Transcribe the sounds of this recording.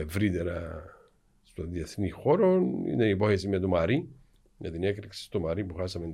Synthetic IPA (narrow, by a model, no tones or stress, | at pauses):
evɾit̪e̞ɾɐ | st̪oðiɐθnixo̞ɾonḭneipo̞çesimɲɐt̪omɐɾi | jɐt̪inekɾiksi̥st̪omɐɾipuxɐsɐmen